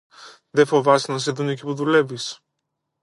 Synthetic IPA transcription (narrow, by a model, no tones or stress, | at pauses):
ðefo̞vɐsnɐs̬eðunocipuðule̞vis